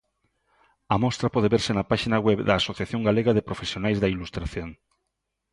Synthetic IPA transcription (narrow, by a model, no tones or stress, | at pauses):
ɐmɔst̪ɾɐpɔð̞eβeɾsɪnɐpaʃinɐɣweβðɐːsoθjaθjoŋɡaleɣɐðɪpɾofesjonajzðɐilust̪ɾaθjoŋ